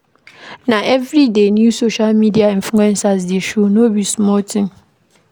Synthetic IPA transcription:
nãʔɛvɾidenjusoʃalmidiaĩɱfluɛ̃nsas̬dieʃonobismɔltʰɪ̃m

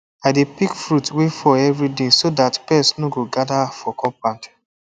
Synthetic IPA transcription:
aɪdepikfɹutwefɔɛvɹidẽsodatpɛsnoɡoɡadafɔkɔ̃pãnt

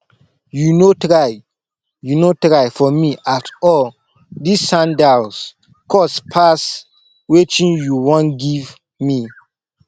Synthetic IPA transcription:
junotɹaj | junotɹaɪfɔmiʔatɔl | disːãndals | kʰɔspʰas | wet͡ʃĩnjuwɔ̃nɡiv | mi

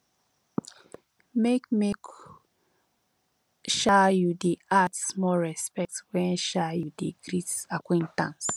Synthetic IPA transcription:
mekmek | ʃajudiatsmɔɹɛspɛk̚twɛ̃nʃajudiɡɹitakwẽntãns

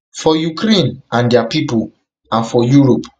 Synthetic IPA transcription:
fɔjukɾẽnãndiapipul | ãnfɔjuɹop

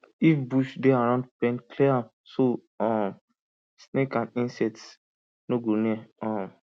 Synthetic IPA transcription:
ifbuʃdeaɾãʊ̃ndpɛ̃nkʰleam | so | ɔ̃m | snekãnĩnsɛts | noɡɾoniɛɔ̃m

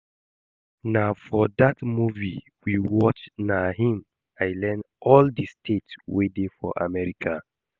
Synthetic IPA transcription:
nafɔdatmuvi | wiwɔt͡ʃnaɦĩm | aɪlɛ̃n | ɔldistʰetwedefɔ̰ʔa̰mɛɹikʰa

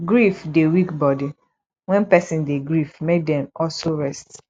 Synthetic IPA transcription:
ɡɹifdewikbɔdi | wɛ̃npɛsĩndeɡɹifmed̚dɛ̃mɔlsoɹɛst

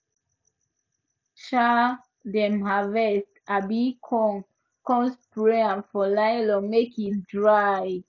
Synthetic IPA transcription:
ʃa | dɛ̃mhavɛstabikʰɔŋ | kɔ̃nspɹeãnfɔlajlɔmekit̚dɹaj

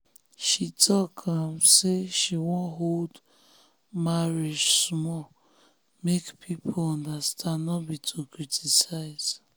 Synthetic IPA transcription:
ʃitɔkʰamseʃiwɔ̃nɦold | maɾed͡ʒsmɔ | mekpʰipʰoɔ̃ndastʰanɔbitʰʊkɾitʰisaɪz

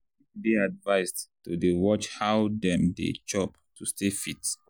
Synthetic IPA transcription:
biadvaɪsdtudewɔt͡ʃhawdɛ̃mdḛt͡ʃɔp̚ | tʰustʰefit

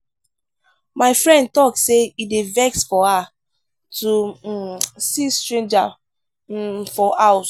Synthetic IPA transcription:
maɪfɹɛ̃nd̚tɔk̚seidevɛksfɔa | tʰu | sistɹẽnd͡ʒa | fɔʔaws

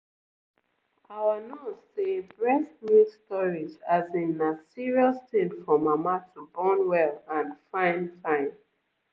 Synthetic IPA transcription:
awanoɔsebɹɛsmustɔɹizazĩnasiɹiɔstẽdfɔmamatʰubɔnwɛlãnfãɪ̃ntʰãɪ̃n

